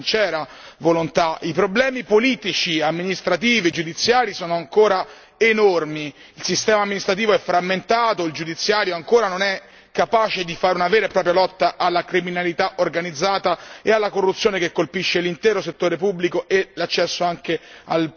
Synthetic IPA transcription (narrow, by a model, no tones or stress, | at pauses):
nt͡ʃɛːɾavolont̪aipɾoblɛːmipoliːt̪it͡ʃiamːinist̪ɾat̪iːvid͡ʒud̪it̪sːjaːɾisɔːnoaŋkoːɾa | enormi | ilsist̪ɛːmaːmːinist̪ɾat̪̬iːvoɛfɾamːent̪aːt̪oild͡ʒud̪it̪sːjaːɾjoaŋkoːɾanonɛ | kːapaːt͡ʃed̪ifaːɾeunavɛːɾepːɾɔːpɾjalɔt̪ːaʔalːakɾiminalit̪aʔorɡanid̪zːaːt̪aealːakorːut̪sːjoːnekekːolpiʃːelint̪ɛːɾoset̪ːoːɾepubːlikoʔelat͡ʃːɛsːoaŋkea̰l